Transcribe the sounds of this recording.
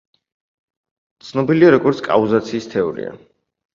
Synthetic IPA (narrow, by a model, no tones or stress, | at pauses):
t̪sʰnɔbiliaɾɔɡɔɾt̪sʰkʼa̰uzat̪sʰiːst̪ʰɛɔɾḭa̰